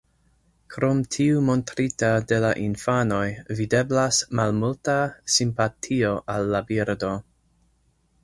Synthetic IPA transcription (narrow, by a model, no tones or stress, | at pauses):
kʰɾo̞mtʰiumo̞ntɾitade̞laʔinfano̞jvide̞blasmalmultasimpatʰio̞ʔalːabiɾdo̞